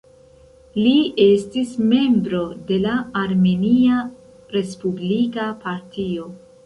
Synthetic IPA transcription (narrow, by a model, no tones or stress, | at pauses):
lie̞stisme̞mbɾo̞de̞laːɾme̞nia | ɾe̞spublikapaɾtʰio̞